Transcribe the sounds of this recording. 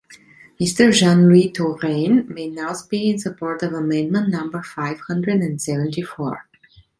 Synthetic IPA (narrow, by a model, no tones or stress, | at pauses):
mɪstə˞ʒɑ̃nlitʰoɾẽnmeɪnaʊspiɪ̃nsəpʰɔɹtʌvəmɛ̃ndmə̃nnʌ̃mbə˞faɪv̥hʌ̃ndɹɨdɛ̃ndsɛvə̃ntifɔ̰ɹ